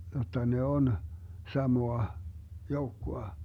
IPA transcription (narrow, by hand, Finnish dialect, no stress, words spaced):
jotːɑ ne on sɑmoɑ joukːoɑ